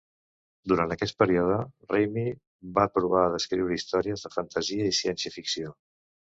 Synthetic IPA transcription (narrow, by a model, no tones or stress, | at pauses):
d̪uɾant̪əkɛst̪̚pəɾiɔðərejmi | βapɾuβ̞aəðəskɾiwɾəist̪ɔɾiəzðəfənt̪əziəisiɛnsiəfiksio